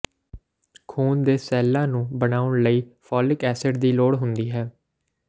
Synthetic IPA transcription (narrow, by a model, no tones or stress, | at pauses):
kʰuːnd̪eːsɛːlːãːnũːbəɳaːʊɳləiːfʰɔːlɪkɛːsəɖd̪iːloːɽɦʊnd̪iːɦɛː